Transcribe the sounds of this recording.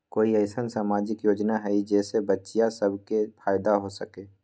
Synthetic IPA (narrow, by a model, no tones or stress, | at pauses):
koːiɛːsənsaːmaːd͡ʒɪkjoːd͡ʒnaɦɛid͡ʒɛːsebətːʃijasəbʱkepʰaːɪd̪aɦosəkeː